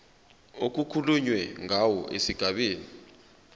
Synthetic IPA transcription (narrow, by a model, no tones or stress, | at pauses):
ok̬ukʰuluɲwɛŋʱawɔʔesiɡ̥ʱaɓeːni